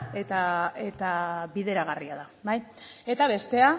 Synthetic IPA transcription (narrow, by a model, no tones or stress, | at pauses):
e̞t̪ae̞t̪aβiðe̞ɾaɣ̞ariað̞abaje̞t̪aβe̞st̪e̞a